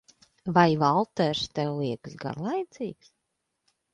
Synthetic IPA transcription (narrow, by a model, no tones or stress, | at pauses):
vajvalˠt̪ɛɾst̪ɛlˠiɛkɨsɡa̰ɾlˠajt̪siːks